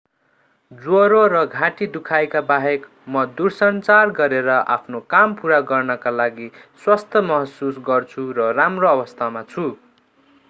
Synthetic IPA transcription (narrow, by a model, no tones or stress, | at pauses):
d͡zwoɾoɾʌɡʱãʈid̪ukʰajkabaɦek | mʌd̪ursʌnt͡sarɡʌɾeɾʌʔa̰pʰnokampuɾaɡʌrnʌkalaɡiswast̪ʰʌmʌɦʌsusɡʌrt͡sʰuɾʌramroʌbʌst̪ʰamat͡sʰu